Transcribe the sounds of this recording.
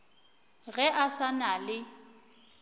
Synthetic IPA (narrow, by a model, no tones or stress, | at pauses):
ɣɛʔasanalɪ